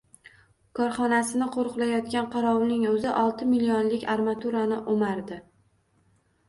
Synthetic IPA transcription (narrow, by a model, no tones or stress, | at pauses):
kʰɒɾχɒnasɪnɪqʰoɾqlajɒt̪̚kʲanqʰɑɾɒwnɪŋɵzɪʔɒlˠt̪ʰɪmɪlionlɪkʲaɾmat̪ʰuɾanɪʔomaɾd̪ɪ